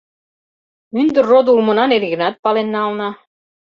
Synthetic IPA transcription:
ynd̪ə̆rːod̪ulmɤ̆nɑnerɣɘ̆nɑt̪̚pɑlenːɑlnɑ

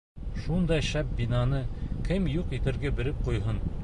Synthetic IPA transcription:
ʃund̪ɑjʃæp̚binɑnɤkʰɘmjuqit̪ɘ̆ɾɡæbɘ̆ɾɘp̚qujɦɤn

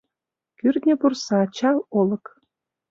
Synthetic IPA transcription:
kyrd̪nʲə̆pursɑt͡ɕɑlolɤ̆k

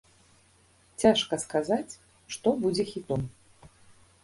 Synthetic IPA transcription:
t͡sʲaʂkɐskazat͡sʲ | ʂt̪ɔbud͡zʲɛxʲit̪ɔm

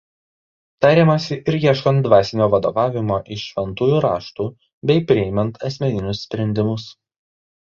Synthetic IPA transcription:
t̪ɑːɾʲemɐsʲɪʔɪɾjiɛʃkɐnt̪̚d̪ʋɑːsʲɪnʲoːʋɐd̪o̰ːʋɑːʋʲɪmoːʔɪʃʃʲʋʲɛnt̪uːjuːɾɑːʃt̪uː | bʲɛɪpʲɾʲɪɛɪmʲɛnt̪ʰɐsʲmʲɛnʲɪnʲʊsʲsʲpʲɾʲɛnʲd̪ʲɪmʊs

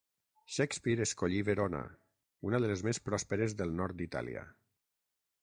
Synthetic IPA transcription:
ʃɛkspiɾeskoʎiβeɾona̰ | unaðələzmespɾɔspeɾezðəlˠnɔɾt̪̚d̪it̪a̰lḭə̰

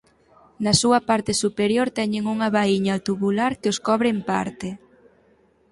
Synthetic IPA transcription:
nɐsuɐpaɾt̪ɪsupeɾjoɾt̪ɛɲɪŋuŋɐβaiɲat̪uβulaɾkɪoskɔβɾempa̰ɾt̪e

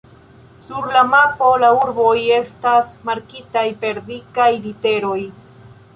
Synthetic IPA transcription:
suɾlamapolauɾboje̞st̪asmaɾkit̪ajpe̞ɾd̪ikajlit̪eɾoj

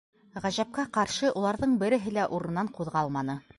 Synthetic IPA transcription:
ʁæʑæp̚kæqɑɾʃɤʔulˠɑɾðɤɴbɘ̆ɾɘ̆ɦɘ̆læʔuɾɤ̆ɤ̆nːɑɴquðʁɑlˠmɑnɤ

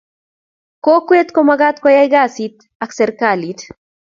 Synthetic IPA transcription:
kokwet̪komaɡat̪kɔjajɡasit̪ | aksɛɾkalit̪

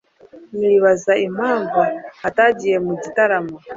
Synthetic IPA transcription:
niβazaim̥aːɱvuhataɟije̞muɟitaɾamo

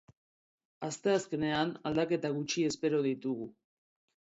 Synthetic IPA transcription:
ast̪e̞aske̞ne̞anald̪ake̞t̪aɣ̞ut͡ʃie̞spe̞ɾo̞ðit̪uɣ̞u

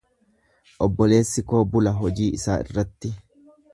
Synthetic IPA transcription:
ʔɔbːɔle̞ːsːɪko̞ːbʊlɐɦɔd͡ʒiːɪsa̰ːɪ̰rːɐt̪ːɪ

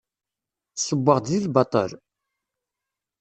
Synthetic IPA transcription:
səbːəʁd̪ilbɑt̪ˤə̰l

